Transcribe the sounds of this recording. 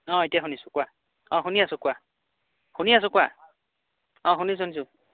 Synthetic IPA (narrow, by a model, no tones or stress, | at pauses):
ɔ̃etijaɦunisʊ̥̃kwa | ɔ̃ɦuniasʊ̃kwa | hunias̬ʊ̃kwa | ɔ̃ɦunis̬onis̬u